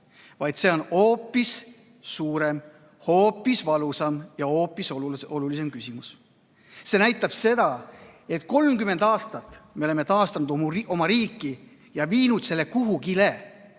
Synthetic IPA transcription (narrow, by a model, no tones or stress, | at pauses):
vɑjd̪̥se̞o̞no̞ːpːˑisː | uːɾe̞m | ho̞ːpːˑisvɑlusɑmjɑo̞ːpːˑisoo̞lulis̬e̞mkysimus | se̞næjt̪ːˑɑb̥se̞d̪ɑe̞t̪ko̞lmkyme̞nd̪ɑːst̪ɑt̪me̞o̞le̞mːe̞t̪ɑːst̪ɑnud̪̥ʔo̞mɑɾiːkːˑi | jɑviːnud̪̥se̞lːekuɦukile